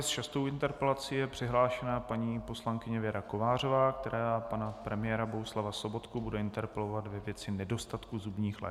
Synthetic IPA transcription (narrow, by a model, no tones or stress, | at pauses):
st͡ʃast̪owɪnt̪ɛɾpɛlat͡siːjɛpr̝̥ɪɦlaːʃɛnapaɲiːpo̞slaŋkɪɲɛvjɛɾakovaːr̝o̞vaːk̚t̪ɛɾʔaːpanapɾɛmɪjɛːɾabo̞ɦuslavaso̞bo̞t̪kubudɛɪnt̪ɛɾpɛlo̞vat̪vɛvjɛt͡sɪnɛdo̞st̪at̪kuzubɲiːxlɛ̰